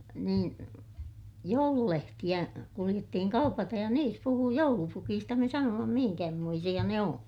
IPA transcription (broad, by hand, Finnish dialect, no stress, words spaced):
niːn joululehtij̆æ kulij̆etːihiŋ kɑupɑtej jɑ niːs puhuː joulupukiːstɑ me sɑnoːmɑ mihiŋkæhmoisij̆ɑ ne õː